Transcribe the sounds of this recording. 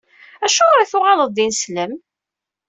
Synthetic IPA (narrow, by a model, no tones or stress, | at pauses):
æʃʊʁɾθʊʁɑləðˤinsləm